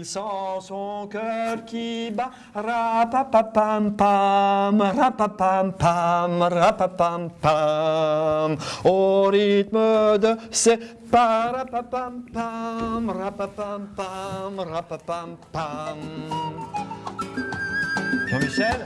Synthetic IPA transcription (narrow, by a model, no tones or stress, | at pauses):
ilsɑ̃sɔ̃kœʁkʲiba | ʁapapapampamʁapapampamʁapapampa | moʁit̪məd̪əse | paɾapapampamʁapapampamʁapapampam | kɔmisɛl